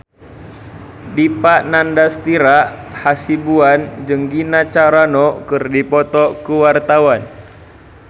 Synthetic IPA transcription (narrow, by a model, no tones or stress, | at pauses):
dipaʔnandast̪iɾaʔhasibuand͡ʒəŋɡinat͡ʃaɾanɔkɨrdipɔt̪ɔkəwart̪awan